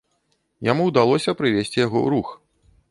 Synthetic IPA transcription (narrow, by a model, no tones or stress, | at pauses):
jamuwd̪alˠɔsʲɐpɾɨvʲesʲt͡sʲijaɣɔɾux